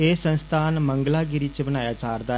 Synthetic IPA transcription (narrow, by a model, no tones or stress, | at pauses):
eːsənst̪ʰaːnməŋɡlaːɡɪɾiːt͡ʃbənaːjaːt͡ʃaːɾd̪aː